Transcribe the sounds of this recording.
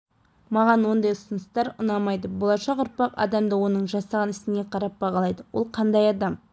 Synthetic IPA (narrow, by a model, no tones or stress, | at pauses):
mɑʁɑnwo̞nd̪ɑjʊsənəst̪ɑɾʊnɑmɑjd̪əbolˠɑʃɑqʊɾpɑqɑ̰d̪ɑmd̪əwo̞nəɴʒɑsɑʁɑnɪst̪ɪne̞qʰɑɾɑp̚bɑʁɑlˠɑjd̪əwolˠqʰɑnd̪ɑjɑd̪ɑm